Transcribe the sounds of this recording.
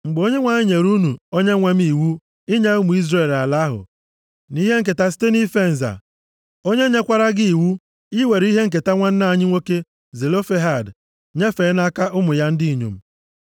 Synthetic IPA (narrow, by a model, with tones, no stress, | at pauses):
ŋ͡m̩˨ɡ͡bo˦ɲe˦ŋʷa˨ɲɪ˦ɲe˨ɾu˦nu˨o˦ɲe˦ŋʷa˦mi˦˨wu˦ | ɪ˦ɲa˦ʊ˦mʊ˨i˦zɾe˦˨la˨la˦ɦʊ̰˨ | ni˦ɦe˦ŋ̩˦k̬e˨ta˦s̬i̥˦te˦ni˦fe˦˨n̩˨za̰˨ | o˦ɲe˦ɲe˦kʷa˦ɾa˦ɡɪ˦i˨wu˦ | ɪ˦we˨ɾi˦ɦe˦ŋ̩˨k̬e˨ta˦ŋʷa˦n̩˦na˦˨ɲɪ˦ŋʷo˦ke˦ | ze˨lo˦fe˦ɦa˨d | ɲe˦fe˨˦na˦ka˦ʔʊ˦mʊ˨ja˦n̩˦dɪ˦i˨ɲṵ˨m̩˦˨